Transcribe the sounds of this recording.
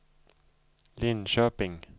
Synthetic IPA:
linʃœpɪŋ

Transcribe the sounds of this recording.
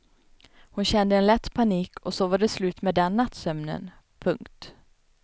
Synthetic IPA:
hʊnɕɛnd̪əɛnlɛt̪ːpʰaniːkʰɔsoːvad̪əslʉ̟ːt̪meːd̪ɛnːat̪sœmnə̰n | pʰɵŋkt̪

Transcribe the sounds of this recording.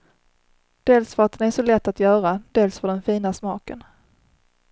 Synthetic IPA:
d̪̥eːlsfœɾat̪̚ɛnæʂɔlɛt̪ːat̪jœːɾad̪eːlsfœɖɛnfiːnasmɑːkən

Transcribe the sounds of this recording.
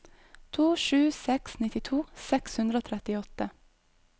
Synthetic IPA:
t̪ʰuːʃʉːsɛksnɪt̪ɪt̪ʰuːsɛkshʉnd̪ɾəoːt̪ʰɾɛt̪ɪɔt̪ə

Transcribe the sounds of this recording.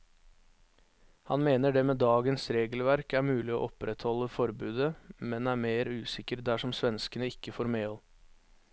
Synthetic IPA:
hɑ̰nmeːnəɖɛmeːd̪ɑːɡənsɾeːɡəlʋæɾkæɾmʉːlɪo̰ːʔɔpɾʔɛt̪hɔlːəfɔɾbʉːd̪əmɛnæːɾmeːɾʉːsɪkəɾd̪æʂɔmsʋɛnskənəɪkːəfoːɾmeːɔl

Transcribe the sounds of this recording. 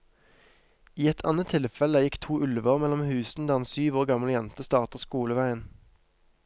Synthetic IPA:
iːɛt̪ʰɑ̰ːnət̪ʰːɪlfɛləjɪkt̪ʰuːʔʉlʋəʁmɛlɔmhʉːsn̩d̪æːʁɛnsyːʋoːʁɡɑmləjɛnt̪əst̪ɑːʁt̪əʁskuːləʋæɪən

